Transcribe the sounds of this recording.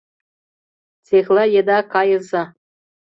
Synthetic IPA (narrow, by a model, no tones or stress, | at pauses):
t͡sexʲlʲɘjĕd̪ɑkɑjɤ̆zɑ